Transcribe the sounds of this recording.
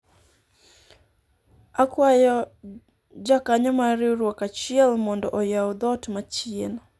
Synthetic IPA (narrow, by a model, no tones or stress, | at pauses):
akwajɔ | d͡ʒakaɲɔmaɾɪɾwokat͡ʃɪɛlmɔndɔʔɔjaud̪ɔtmat͡ʃien